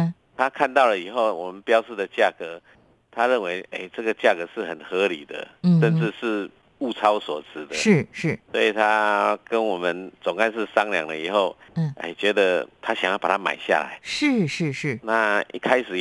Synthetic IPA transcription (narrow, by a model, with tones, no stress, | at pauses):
t̪ʰa˦kʰa˥˧nt̪ɑ˥˩ʊlə˨i˨˩xo˥˩ʊwɔ˨˩mə˨npjɑ˦ʊʂ̩˥˩d̪ə˨t͡ɕja˥˨kɤ˧˦ | t̪ʰa˦ɻə˥˩nwe˧˦ɪḛ˥˩ɪt͡sɤ˥˧˩ɡə˨t͡ɕja˥˩kɤ˧˦ʂɻ̩˥˩xə˨˩nxɤ˧˦lḭ˨˩d̪ə̰˦ʂə˥˧nt͡sɻ̩˥˧ʂɻ̩˥˧ | u˥˧t͡sʰɑ˦ʊswɔ˨˩t͡sʰɹ̩˨˩d̪ə˦ʂɻ̩˥˩ʂɻ̩˥˩swɔ̰˧˥i˨˩t̪ʰa˦kə˦nwɔ˨˩mə˨nt͡sɔ˨˩ŋka˥˧nʂɻ̩˥˨sɑ˦ŋlja̰˨ŋd̪ə˧i˨˩xo˥˩ʊ˩ḛ˥˩t͡ɕɥɛ˧˦˥d̪ə˨t̪ʰa˦˥ɕjŋjɑ˥˩pa˨˩t̪ʰa˦˥ma̰˨˩ɪɕja̰˥˨la̰˧˦ɪʂɻ̩˥˩ʂɻ̩˥˧ʂɻ̩˥˩na˥˧ʔḭ˥kʰa˦ɪʂɻ̩˨˩